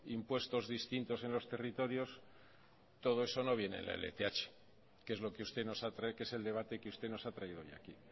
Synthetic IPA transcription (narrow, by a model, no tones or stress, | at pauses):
impwe̞st̪o̞zðist̪int̪o̞se̞nlo̞st̪e̞rit̪o̞ɾjo̞s | t̪o̞ð̞o̞e̞so̞no̞β̞je̞nḛlaḛlḛt̪eat͡ʃe̥ | ke̞zlo̞keust̪eno̞sat̪ɾake̞se̞ld̪e̞βat̪e̞keust̪e̞no̞sat̪ɾaiðooja̰ki